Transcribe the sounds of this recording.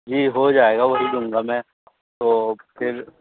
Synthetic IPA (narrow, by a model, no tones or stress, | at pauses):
d͡ʒiːɦod͡ʒaːeːɡaʋɐɦid̪ʊ̃ŋɡamɛ̃ː | t̪oːpʰɪɾ